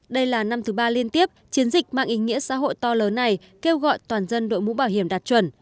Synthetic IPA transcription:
ɗə˧jlaː˨˩na˧mt̪ʰɨ˨˦ɓaː˧li˧ənt̪i˦˥əp̚t͡ɕi˨˦ənzï˨˩k̟̚ma̰ː˧˨ʔi˨˦ŋḭ˧˥əsa̰ː˧˥ɦo̰˧˨jt̪ɔ˧ləː˨˦nːa˨˩j | ke˧wɣɔ̰˧˨jt̪waː˨˩nzə˧nɗo̰˧˨jmṵ˧˥ɓaː˧˩wɦi˧˩əmɗaː˨˩t̚t͡ɕwə˨˩n

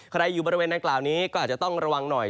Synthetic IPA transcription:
kʰɾa˧jːuː˨˩bɔː˧ɾi˧weː˧nda˧ŋklaː˨˩wniː˦˥kɔ˥˩a˨˩t̚t͡ɕa˩t̪ɔ˥˩ŋɾa˧wa˧ŋnɔ˨˩j

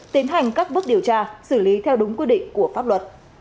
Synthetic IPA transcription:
t̪i˨˦ənɦa˨˩jŋ̟kaː˦˥k̚ɓɨ˦˥ək̚ɗi˨˩əwt͡ɕaː˧sɨ˧˩li˨˦t̪ʰɛ˧wɗʊ˨˦ŋ͡mkwi˦˥ɗḭ˧˨ŋ̟ku˧˩əfaː˦˥p̚lwə˨˩t̚

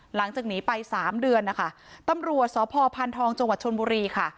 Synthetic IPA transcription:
la˩˦ŋt͡ɕaː˨˩k̚niː˦˥pa˧jsaː˩˦mdɯ˧ənːa˦˥kʰa˥˩ | t̪a˧mɾu˨˩ət̪̚sɔː˩˦pʰɔː˧pʰa˧nt̪ʰɔː˧ŋt͡ɕa˧ŋwa˨˩t̪̚t͡ɕʰo˧nbuː˧ɾiː˧kʰa˥˩

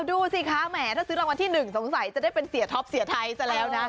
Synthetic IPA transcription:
wduː˧˩si˧˩kʰaː˦˥mɛː˨˩t̪ʰaː˥˩sɯː˦˥ɾa˧ŋwa˧nt̪ʰiː˥˩nɯ˨˩ŋso˩˦ŋsa˨˩˦jt͡ɕa˨˩daː˥˩jpe˧nsi˨˩˦ɐt̪ʰɔ˦˥p̚si˨˩˦t̪ʰa˧jsa˧˩lɛː˦˥wna˦˥

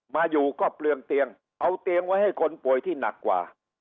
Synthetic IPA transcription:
maː˧juː˨˩kɔː˥˩plɯ˧əŋt̪i˧əŋ | ʔa˧wt̪i˧əŋwa˦˥jha˥˩jkʰo˧npu˨˩əjt̪ʰiː˥˩na̰˨˩kːwa̰ː˨˩

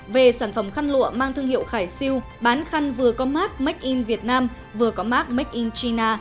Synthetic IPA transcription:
ve˨˩saː˧˩nfə˧˩mxa˧nlṵ˧˨əmaː˧ŋt̪ʰɨ˧əŋhḭ˧˨əwxaː˧˩jsi˧w | ɓaː˨˦nxa˧ŋ̟vɨ˨˩əkɔ˨˦maː˦˥k̚mə˦˥k̚ʔi˧nvi˨˩ət̚naː˧m | vɨ˨˩əkɔ˨˦maː˦˥k̚m˦˥k̚ʔi˧nt͡ɕi˧naː˧

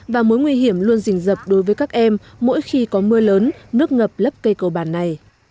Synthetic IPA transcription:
vaː˨˩mo˨˦jŋwi˧ɦi˧˩əmlu˧ənzï˨˩ŋ̟zə˨˩p̚ɗo˨˦jvəː˨˦jkaː˦˥k̚ʔɛ˧mː | o̰˧˥jxi˧kɔ˨˦mɨ˧ələː˨˦nːɨ˦˥ək̚ŋə˨˩p̚lə˦˥p̚kə˧jkə˨˩wɓaː˧˩nːa˨˩j

